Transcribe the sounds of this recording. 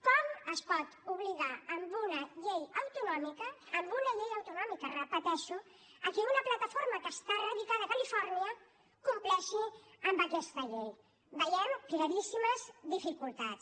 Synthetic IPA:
kɔməspɔt̪uβliðaːmbunəʎejəwt̪unɔmikəːmbunəʎejəwt̪unɔmikərəpət̪ɛʃu | əkiunəplət̪əfoɾməkəst̪arəðikaðəːkəlifɔɾniə | kumplɛʃi | əmbəkɛst̪əʎej | bəjɛmkləɾisiməzd̪ifikulˠt̪att͡s

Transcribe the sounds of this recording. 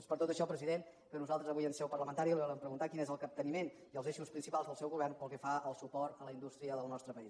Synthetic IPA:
spəɾt̪ot̪əʃɔpɾəziðen | kənuzalˠt̪ɾəzəβujənsɛwpərləmənt̪aɾilˠiβɔləmpɾəɣunt̪akinezəlˠkəp̚t̪ənimen | iəlˠzeʃuspɾinsipalˠzðəlˠsɛwɣuβɛrnpəlˠkɛfaəlˠsupɔɾt̪ələind̪ust̪ɾiəðəlˠnɔst̪ɾəpəis

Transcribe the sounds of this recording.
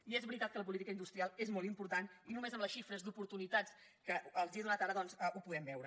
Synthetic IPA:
iezβɾit̪at̪̚kələp̬ulit̪ikəind̪ust̪ɾialˠezmɔlˠt̪impuɾt̪aninumezəmləsʃifɾəzd̪upuɾt̪unit̪at͡s | kəəlˠziðunat̪aɾəðɔnzəʔupuðɛmbɛwɾə

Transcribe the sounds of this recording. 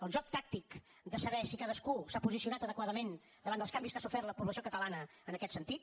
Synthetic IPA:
əlʲʒɔk̚t̪ak̚t̪ik | d̪əsəβɛsikaðəskusapuzisiunat̪əðəkwaðəmen | d̪əβand̪əskambiskasufɛɾrt̪ləpuβləsiokət̪əlanəːnəkɛt̪sənt̪it̪̚

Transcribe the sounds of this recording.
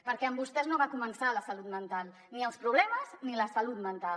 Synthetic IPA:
pəɾkɛəmbust̪ɛznoβakumənsaləsəlut̪mənt̪alˠ | niəlˠspɾuβlɛməzniləsəlut̪mənt̪a

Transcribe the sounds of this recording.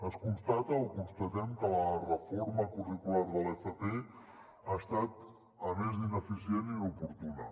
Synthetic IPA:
əskunst̪at̪əokunst̪ət̪ɛmkələrəfoɾməkurikulaɾðəlɛfəpe | ast̪at̪ | əmezðinəfisieniupuɾt̪unə̰

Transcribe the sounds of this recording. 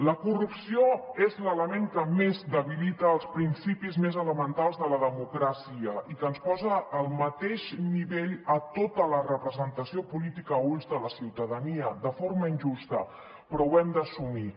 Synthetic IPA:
ləkurupsioezlələmeŋkəmezd̪əβilit̪əːlˠspɾinsipizmezələmənt̪alˠzðələðəmukɾasiəikənspɔzəːlˠmət̪eʒniβeʎət̪ot̪ələrəpɾəzənt̪əsiopulit̪ikəunzðələsiwt̪əðəniəðəfoɾməinʒust̪ə | pɾɔwɛmd̪əsumi

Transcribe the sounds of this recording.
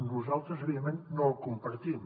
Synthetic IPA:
nuzalˠt̪ɾəzəβiðəmennolˠkumpəɾt̪im

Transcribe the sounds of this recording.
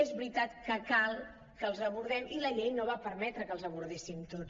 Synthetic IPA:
ezβɾit̪at̪kəkalˠ | kəlˠzəβuɾðɛmiləʎejnoβapəɾmɛt̪ɾəkəlˠzəβuɾðesimt̪ot͡s

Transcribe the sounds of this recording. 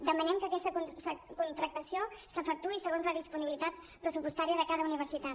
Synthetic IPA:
d̪əmənɛmkəːkɛst̪əksəkunt̪ɾək̚t̪əsiosəfək̚t̪uisəɣonzləðispuniβilit̪at̪ | pɾəsupust̪aɾijəðəkaðəuniβ̞əɾsit̪a

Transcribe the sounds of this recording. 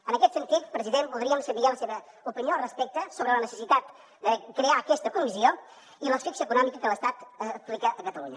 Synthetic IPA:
ənəkɛt̪sənt̪it̪pɾəziðempulˠd̪ɾiəmsəmβialəseβə | upiniorəspɛk̚t̪əsoβɾələnəsəsit̪at̪ | d̪əkɾeakɛst̪əkumizio | iləsfiksəkunɔmikəkələst̪at̪əplikəʔəkət̪əluɲə

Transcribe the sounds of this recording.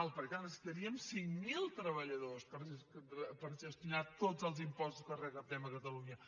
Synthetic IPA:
alˠpəɾkanəsi̥t̪əɾiəmsiŋmilˠt̪ɾəβəʎəðospəɾk̪pəɾzəst̪inat̪od͡zəlˠzimpɔst̪u̥skərəkəp̚t̪ɛməkət̪əluɲə

